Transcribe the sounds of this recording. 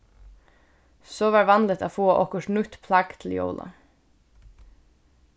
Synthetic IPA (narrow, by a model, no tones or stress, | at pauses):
soːʋɑːɹʋɑnlət̪ʰo̰ːfoːʔɔkəʃɳʉt̪pʰlɑɡt̪ʰl̩jo̰ːlʔɑ̰